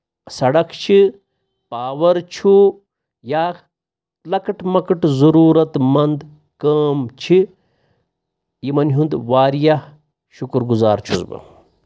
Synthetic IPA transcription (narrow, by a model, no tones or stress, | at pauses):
sɐɽɐkʰt͡ʃʰi | paːʋɐɾt͡ʃʰu | jaːk̪ | lɐkɨʈmɐkɨʈzɐɾuːɾɐt̪mɐnd̪ | kɐːmt͡ʃʰi | jimɐnɦund̪ʋaːɾjah | ʃukɾɡuza̰ːɾt͡ʃʰuzbɨ̰